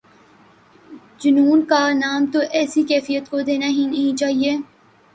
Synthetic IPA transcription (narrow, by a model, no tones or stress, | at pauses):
d͡ʒʊnuːnkanaːmt̪oʔɛːsikɛːfijət̪kod̪eːnaɦĩnɐɦĩt͡ʃaːɦieː